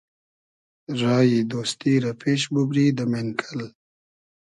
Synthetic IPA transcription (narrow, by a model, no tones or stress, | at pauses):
ɾɑːjid̪oːst̪iɾapʰeʃbubɾid̪əmenkʰəl